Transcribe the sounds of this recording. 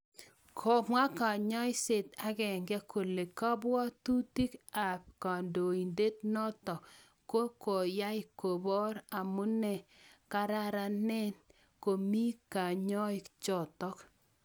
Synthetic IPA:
kʰɔ˨mwa˦ka˨ɲɔ˦ɪ˦se˨ta˦kɛ˨ŋɡɛ˦ko˨le˨ka˦bwɔ˦tu˦ti˦ka˨p̚ka˨ndo˨i˨nde˦tnɔ˦tɔ˨ | ko˦ko˨ja˦ɪ˦ko˨bɔ˦ɾa˨mʊ˦nɛ˨ka˦ɾa˦ɾa˦nɛ˦n | ko˨mi˦ka˨ɲɔ˦ɪ˦kt͡ʃɔ˨tɔ˦k

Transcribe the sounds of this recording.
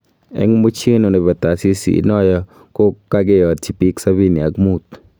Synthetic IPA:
ɛ̰˦ŋ˦mo˦t͡ʃe˦no˨no˨ba˨t̪a˨si˦sḭ˨˦nɔ˦jɔ˦ | ko˦kːa˦ɡɪ˦jɔ˨tt͡ʃi˨pi˦ksa˦bi˦ni˨a˨kmu˦˨t̪

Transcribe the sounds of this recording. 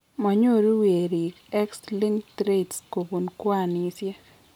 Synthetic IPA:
mɔ˨ɲo˦ɾu˦we˨ɾi˨kɛ˦ksli˦ŋtɾe˦tsko˨bu˨nkwa˦˨nisjɛ˦

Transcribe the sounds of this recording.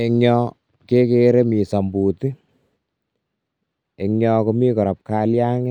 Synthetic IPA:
e˧ŋɲɔ˧ | ke˦keɾe˦mi˨sa˨mbu˨ti˦ | e˨ŋɲɔ˦ko˦mi˦kɔ˨ɾɔ˨p̚ka˨lja˦ŋe˦

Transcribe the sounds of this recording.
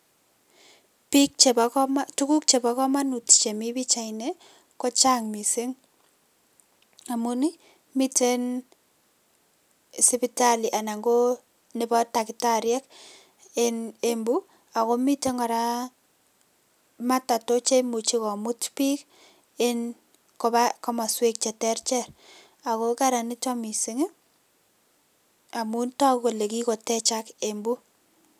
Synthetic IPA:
pik̚t͡ʃe˨bktu˦ku˦k̚t͡ʃe˨ba˨˦kɔ˦ma˦nu˨tt͡ʃe˨mi˦bi˦t͡ʃa˨ine˦ | kɔ˦t͡ʃa˦ŋmi˨se˦ŋ | a˨mu˦ni˦ | mi˦te˦n | sɪ˦pita˦li˨ʔa˨na˨ŋɡo˦ | nɪ˨bɔ˦ta˨kɪ˨ta˦ɾjɛ˦k | e˦ne˨mbu˦ | a˨ko˦mi˦te˦ŋɔ˨ɾa˦ | ma˦ta˨to˦t͡ʃe˦mu˨t͡ʃi˦kɔ˨mu˦tpi˦k | e˦n | ko˨ba˦kɔ˦mɔ˨swe˦k̚t͡ʃɛ˨tɛ˦ɾt͡ʃɛ˦ɾ | a˨ko˦ka˦ɾa˨ni˦tɔ˦mi˨si˦ŋ˦ | a˨mu˦ntɔ˦ko˨le˨ki˦ko˨tɛ˦t͡ʃa˦ke˨mbu˦

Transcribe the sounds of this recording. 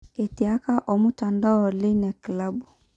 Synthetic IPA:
e˨ti˨a˦ka˦ʔɔ˨mu˦ta˨nda˦ɔ˨lɪ˦nɛ˨kla˦bu˨

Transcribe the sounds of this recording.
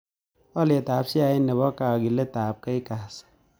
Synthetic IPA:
o˦li˨e˨taː˨sa˨e˦ne˨bɔ˦ka˨o˨ɡi˨le˦taː˨p̚ke˦i˦ka˨s

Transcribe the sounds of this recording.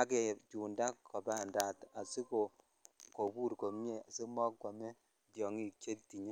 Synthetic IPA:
a˦kɛ˨t͡ʃu˨nda˦kkːɔ˨ba˦˨nda˨ta˨si˦ko˨ | ko˨buː˦ɾko˨m˦e˦˨a˨si˦mɔ˦kka˨mɛ˦ | djɔ˨ŋi˦˨ke˦ti˨ɲe˦

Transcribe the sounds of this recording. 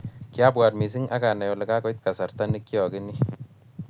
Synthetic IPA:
kɪ˦a˦bwa˨dmi˨s̬i˦ŋʔa̰˦ɡa˨na˨jɔ˨lɪ˨ka˦kɔ˨˦i˦t̪ka˨sa˨ɾt̪a˦nɪ˦kːɪ˦ɔ˨ɡɪ˦ni˦

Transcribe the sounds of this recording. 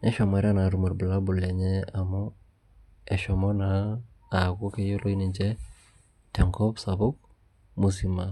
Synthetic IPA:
nɛ˦ʃɔ˨ma˨ɾa˦na˨ɾu˨ma˨ɾbu˨la˦bu˨lɛ˨ɲɛ˦a˨mɔ˦ | ɛ˨ʃɔmɔ˦naː˨ | ɡu˦ke˦jo˦lo˦i˦ni˨ɲd͡ʒɛ˦ | tɛ˨ŋkɔ˦psabu˦k̚ | mu˨s̬ima

